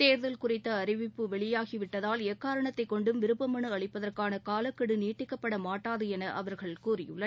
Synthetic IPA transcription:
t̪eːɾðɐlkʊrɪt̪ːɐɐɾɪʋɪpːɯʋɛɭɪjaːɣiʋɪʈːɐðaːlɛkːaːɾɐɳɐt̪ːɐɪkːɔɳɖɯmʋɪɾɯpːɐmɐɳɯɐɭɪpːɐðɐrkaːnɐkaːlɐkːɐɽɯniːʈːɪkːɐpːɐɽɐmaːʈːaːðɯɛnɐʔɐ̰ʋɐɾɣɐɭkuːrɪjɯɭːɐ

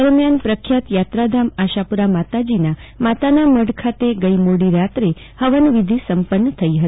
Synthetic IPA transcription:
əɾmjanpɾəkʰjat̪jat̪ɾad̪ʱamaʃapuɾamat̪ad͡ʒinamat̪anaməɽkʰat̪eɡəimoɽiɾat̪ɾe | həʋənʋid̪ʱisəmpənːət̪ʰəiɦət̪i

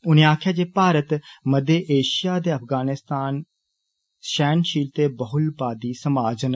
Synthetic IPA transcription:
ʊnẽaːkʰjaːd͡ʒeːpaːɾət̪məd̪eːʔeːʃɪjaːd̪eːəpʰɡaːnɪst̪aːn | ʃɛːnʃiːlt̪eːbəɦʊlbaːd̪iːsəmaːd͡ʒn

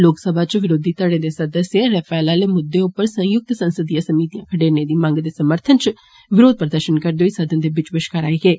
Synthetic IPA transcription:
loːksəbʱaːt͡ʃʋɪɾoːd̪iːt̪əɽẽːd̪eːsəd̪əsjeɾɛfɛːlaːleːmʊd̪ːeːʊpːəɾsə̃jʊk̚t̪sənsəd̪ijãːsəmiːt̪ijãːkʰəɖeːneːd̪iːmə̃ŋɡd̪eːsəməɾt̪ʰənt͡ʃ | ʋɪɾoːd̪̚pəɾəd̪əɾʃənkəɾd̪eoisəd̪ənd̪eːbɪt͡ʃʋɪʃkəɾaːiːɡeː

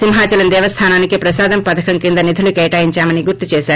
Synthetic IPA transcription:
simɦaːt͡ʃɐlɐnd̪ɛːʋɐst̪ʰaːnaːnikipɾɐsaːd̪ɐmpɐt̪ʰɐkʰɐŋkind̪ɐnid̪ʱulukɛːjʈaːjiɲt͡ʃaːmɐniɡuɾt̪ut͡ʃɛːʃaːɾu

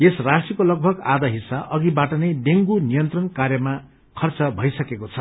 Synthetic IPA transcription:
esrasikolʌɡ̚bʱʌɡad̪aɦisaʔʌɡibaʈʌnejɖeŋɡunijʌnt̪rʌnkarjʌma | kʰʌrt͡sʌbʱʌjsʌkekot͡sʰʌ

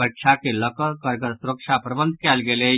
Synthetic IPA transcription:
əʈʃʰakeləkəkəɾkəɾsʊɾəkʃapɾəbə̃nd̪̚ʱkɛːlɡele

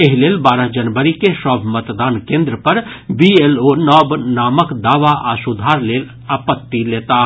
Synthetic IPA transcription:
eɦleːlbaːɾəɦd͡ʒɐnʋəɾikeʃɔːbʰʱmɐt̪d̪aːnkẽːnd̪ɾəpɐɾ | bieːloːnɔːbnaːməkd̪aːʋaʔaːsʊd̪ʱaːɾleːl | aːpət̪ːileːt̪a

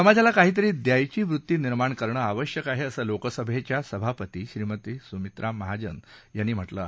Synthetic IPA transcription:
səmad͡ʑʱalakaɦiːt̪̬əɾiːd̪jajt͡ɕiːʋɾut̪ːiːniɾmaɳkəɾɳəːaʋəɕjəkaɦeəsəlokəsəbʱet͡ɕjasəbʱapət̪iːɕɾiːmət̪iːsumit̪ɾʔaməɦad͡ʑə̰njanːiːm̤əʈlə̰

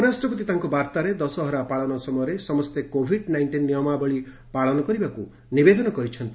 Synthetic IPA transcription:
ɾasʈɾɔpɔt̪it̪aɦŋkɔbaɾt̪aɾed̪ɔsɔɦɔɾapaɭɔnɔsɔmɔjɔɾesɔmɔst̪ekobʱiɖnajɳʈinːijɔmabɔɭi | paɭɔnɔkɔɾibaku | nibed̪ɔnɔkɔɾit͡ʃʰɔnt̪i

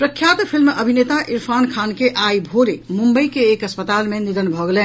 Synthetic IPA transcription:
pɾəkʰjat̪pʰilmːeʔəbʱinet̪aʔiɾpʰankʰankeʔaibʱoɾemumbəjkeːkəspət̪almeniɾənbʱɔɡelen

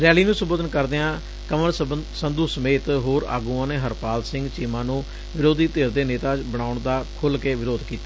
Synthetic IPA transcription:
ɾjɛːliːnũːsəboːd̪ənkəɾd̪eːãː | kəməɳsənd̪uːsəmeːt̪ɦoːɾa̰ːɡũːãːneːɦəɾpaːlsɪ̃ŋɡt͡ʃiːmãːnũː | ʋɪɾoːd̪iːt̪eːɾd̪eːneːt̪aːt͡ʃbəɳ̃aːʊɳd̪aːkʰʊlkeːʋɪɾoːd̪kiːt̪ḁː

